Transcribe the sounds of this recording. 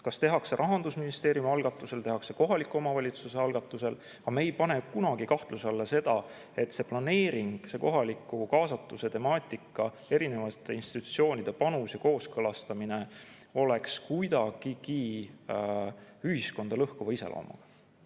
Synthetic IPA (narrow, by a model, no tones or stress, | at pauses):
kɑst̪e̞ɦɑkse̞ɾʔɑɦɑnd̪usminist̪e̞ːɾjumɑlɡ̥ɑt̪ˑːuse̞lt̪e̞ɦɑkse̞ko̞ɦɑlikːˑuo̞mɑvɑlʲit̪suse̞ɑlɡ̥ɑt̪ːˑuse̞l | ɑmeːjpɑne̞kunɑɡ̥ikɑht̪luseɑlːese̞d̪̥ɑ | e̞t̪ːse̞plɑne̞ːɾiŋɡ̥se̞ko̞ɦɑlikˑːukɑːsɑt̪ːˑuse̞t̪e̞mɑːt̪ʲˑikːˑɑ | e̞ɾine̞vɑt̪ːˑe̞inst̪it̪ːˑusio̞ːnʲid̪̥e̞pɑnusjɑko̞ːskɤlɑst̪ɑmine̞ | o̞le̞kskujd̪ɑɡ̥iki | yɦisko̞nd̪̥ɑlɤhkuvɑise̞lʔo̰ːmɑ̰ɡ̥ɑ